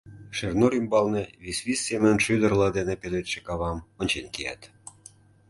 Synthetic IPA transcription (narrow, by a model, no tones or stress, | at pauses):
ʃernoɾimbɑlneβisβisːeməənʃyd̪ərlɑd̪enepelet̪ʃĕ̥kɑβɑmonʲt͡ɕenkejæ̰t̪